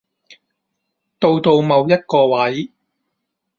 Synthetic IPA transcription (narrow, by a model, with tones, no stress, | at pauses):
t̪o˧wt̪o˧wmɐ˨˧wjɐ˥t̚kɔː˧wɐ˨˦j